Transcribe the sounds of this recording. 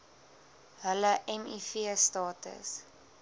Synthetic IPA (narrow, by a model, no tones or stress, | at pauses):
ɦələʔɛmifiəstɑːtə̰s